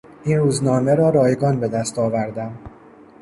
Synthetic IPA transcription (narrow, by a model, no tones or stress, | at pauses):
ʔiːnruːznɒːme̞ɾɒːɾɒːjeɡɒːnbe̞d̪æst̪ɒːvæɾd̪æm